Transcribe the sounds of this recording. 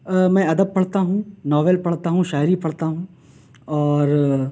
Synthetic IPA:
mɛ̃ɐd̪əb̚pɐɽt̪aɦũnɔːʋelpɐɽt̪aɦũʃaːjɾipɐɽt̪aɦũː | ɔːɾ

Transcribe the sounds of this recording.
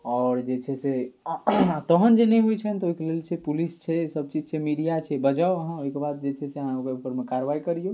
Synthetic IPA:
ɔːɾd͡ʒet͡ʃʰɛse | at̪əɦənd͡ʒenɛjɦojt͡ʃʰɛnt̪ɔoikelelt͡ʃʰɛpulist͡ʃʰɛsəb̚t͡ʃid͡ʒt͡ʃʰɛmiɽijat͡ʃʰɛbəd͡ʒaoəɦãoikebad̪̚d͡ʒet͡ʃʰɛseəɦãokeupəɾmekaɾəʋaikəɾijo

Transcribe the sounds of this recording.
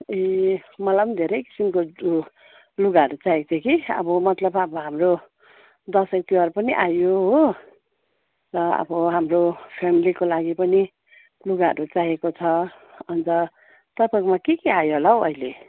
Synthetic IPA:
emʌlanid̪ʱeɾʌjki̥simko | luɡaʌɾut͡saek̚t͡sʰekiʌ̰bʌmʌt̪lʌbabʌɦamro | d̪ʌsek̚t̪iwarpʌniʔajoɦo | rʌʌ̰bʌɦamropʰamilikolaɡipʌni | luɡaɦʌ̰ɾut͡saɦekot͡sʰʌ | ʌnt͡sʌ | t̪ʌpakomakekeajoɦolaɦoʌ̰ile

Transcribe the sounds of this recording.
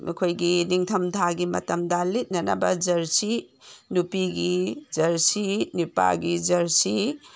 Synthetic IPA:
mɐ̰kʰojɡiniŋtʰɐmdʱʰaɡimɐ̰tɐmdɐlit̚nɐnɐ̰bɐd͡ʒɐɾsinupiɡid͡ʒɐɾsinipa̰ɡid͡ʒɐɾsi

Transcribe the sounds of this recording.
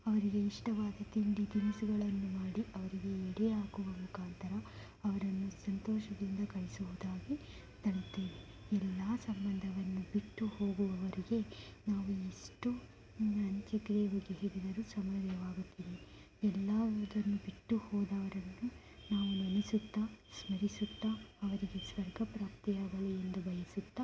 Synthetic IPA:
ɐʋɐɾiɡe̞iʂʈɐʋaːd̪ɐt̪inɖ̪id̪iʋisuɡɐɭɐnːumaːɽiʔɐʋɐɾiɡe̞ɛɽɛaːkuʋɐmukʰaːnt̪ɐɾɐ | ɐʋɐɾɐnːusɐnt̪ɔːʃɐd̪ind̪ɐkɐɭisuɦud̪aːɡi | t̪ɐnt̪ːiːʋi | ɛlːaːsɐmbɐnd̪ʱɐʋɐnːubiʈːuho̞ːɡuʋɐʋɐɾiɡe̞naːʋuiʂʈu | ɐɲt͡ʃɐɡɾebɐɡeɦeɽid̪ɐɾusɐmɐɾljɐʋaːɡut̪ːiːʋi | ɛlːɐd̪ɐnːubiʈːuhɔːd̪ɐʋɐɾɐnːu | naːʋunɐnisut̪ːasmɐɾisut̪ːaɐʋɐɾiɡe̞sʋɐɾɡʱɐpɾaːpt̪ijaːɡɐɭeend̪ubʱɐjɐsut̪ːa

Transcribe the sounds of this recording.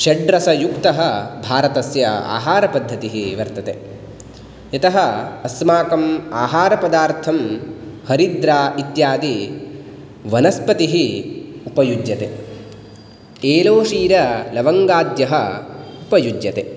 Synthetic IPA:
ʃɐɖɾɐsɐjukt̪ɐɦɐ̆bʱaːɾɐt̪ɐsjɐa̰ːɦaːɾɐpɐd̪ʱːɐt̪iɦiʋɐɾt̪ɐt̪eː | ɐt̪ɐɦɐ̆ɐsmaːkɐmaːɦaːɾɐpɐd̪aːɾt̪ʰɐmhɐɾid̪ɾaːit̪jaːd̪i | ʋɐnɐspɐt̪iɦiupɐjud͡ʒjɐt̪ḛ | eːloːʂiːɾɐlɐʋɐŋɡaːd̪jɐɦɐupɐjud͡ʒjɐt̪ḛ

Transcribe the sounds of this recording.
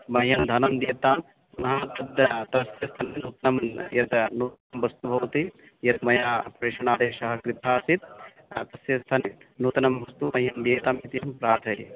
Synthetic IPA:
mɐɦjɐnd̪ʱɐnɐmd̪iːt̪aːm | mɐɦaːt̪ɐd̪t̪ɐsjɐst̪ʰɐninuːt̪ɐnɐmjɐd̪nuːt̪nɐmʋɐst̪ubʱɐʋɐt̪i | jɐd̪mɐjaːpɾeːʂɐɳaːd̪eːʃɐɦɐkɾit̪ʰaːsit̪̚ | t̪ɐsjɐst̪ʰɐninuːt̪ɐnɐmʋɐst̪umɐɦjɐmd̪iːt̪aːmit̪ijɐɦɐmpɾaːɾt̪ʰɐḭ

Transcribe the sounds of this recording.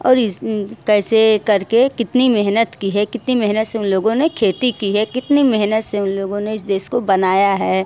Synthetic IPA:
ɔ̰ːɾɪkɛːsekɐɾkekɪt̪nimɛɦnət̪kiɦɛkɪt̪nimɛɦnət̪seʊnloːɡõnekʰeːt̪ikiɦɛkɪt̪nimɛɦnət̪seʊnloːɡõneɪsd̪eːʃkobɐnaːjaɦɛː

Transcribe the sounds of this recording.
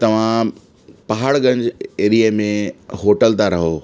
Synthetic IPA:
t̪ɐʋ̤ã | pɐɦaːɽɡɐ̃ɲd͡ʑeːɾiemẽɦoːʈəlt̪aɾɐɦoː

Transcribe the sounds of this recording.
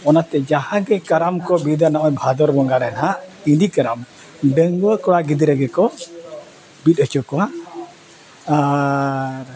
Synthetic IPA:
ɔnat̪ɛd͡ʒahãɡɛkaɾamkɔbid̪anaʔɔɲbʱad̪ɔɾbɔŋɡaɾɛnɦaʔindikaɾam | ɖəŋɡwəkɔɽaɡid̪iɾɛɡɛkɔ | bit̪̚ˀhət͡ʃɔkɔa | a | ɾ

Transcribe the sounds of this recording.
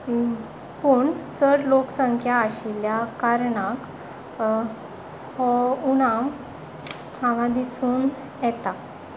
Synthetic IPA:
puɳt͡səɽloksəŋkʰjaːɕiljakaɾɳak | hɔuɽ̃ãm | anad̪isuːn | jɛt̪a

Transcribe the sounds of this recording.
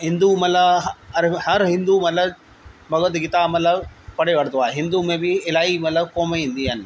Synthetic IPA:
ɦɪ̃nd̪umɐt̪lɐɐɾhɐɾɦɪ̃nd̪umɐlɐ | bɐɡəd̪ɡɪt̪aːmɐləbpɐɽeʋɐɽt̪oaːeɦɪ̃nd̪umẽbɪɪlaːimɐt̪ləbkoːmeĩːnd̪iɦɐn

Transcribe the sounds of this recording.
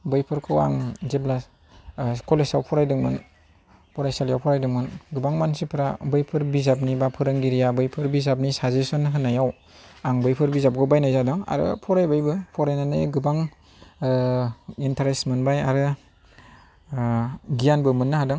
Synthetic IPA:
bɯjpʰɯɾkʰɯwa̰ŋzebla | kɔlesawpʰɔɾajdɯŋmɯn | pʰɔɾajsaljawpʰɔɾajdɯŋmɯnɡɯbaŋmansipʰɾabɯjpʰɯɾbizap̚nibapʰɯɾɯŋɡiɾijabɯjpʰɯɾbizap̚nisazesɔnɦɯnːajaw | aŋbɯjpʰɯɾbizap̚ɡɯwbajnajzadɯŋa̰ɾɯ̰pʰɔɾajbɯjbɯpʰɔɾajnanajɡɯbaŋ | intʰaɾesmɯnbajaɾɯ | ɡijanbɯmɯnːaɦadɯŋ

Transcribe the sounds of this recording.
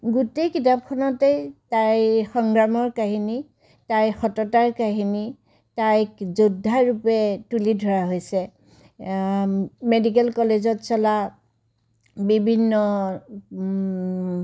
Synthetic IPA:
ɡutejkitap̚kʰɔnɔtejtajxɔŋɡɹamɔɹkaɦini | tajxɔtɔtaɹkaɦini | tajkzudʱːaɹupɛtulidʱɔɹaɦojsɛ | medik̬ɛlkɔlezɔtsɔla | bibʱinːɔ

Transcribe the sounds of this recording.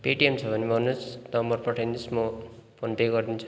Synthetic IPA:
peʈiemt͡sʰʌbʱʌnibʱʌnːusnʌmbʌrpʌʈʰajnismopʰonpeɡʌrd̪int͡sʰu̥

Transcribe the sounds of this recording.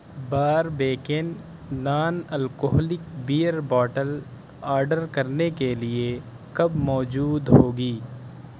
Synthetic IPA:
baːɾbeːkenː | aːnɐlkoɦlɪkbiːjəɾbɔːʈəl | aːɾɖəɾkɐɾnekelie | kɐbmɔːd͡ʒuːd̪ɦoːɡiː

